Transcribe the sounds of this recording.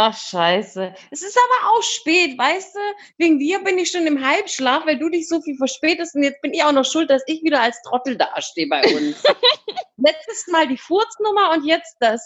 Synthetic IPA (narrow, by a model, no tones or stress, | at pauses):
ʔaχʃaɪsə | ɛsɪstʔaːbɐʔaʊxʃpɛːtvaɪsd̥uː | veːɡŋ̩diːɐbɪnɪçʃoːnɪmɦalpʃlaːfvaɪduːdɪçz̥oːfiːlfɛɐʃpɛːtəstʊntjɛt͡sb̥ɪnɪçaʊxnɔχʃʊlt̚d̥asɪçv̥iːɾɐalstʁ̥ɔtl̩da̰ːʃteːəbaɪʊns | lɛt͡stəsmaːldiːfʊɐt͡snʊmɐʊntjɛt͡st̚d̥as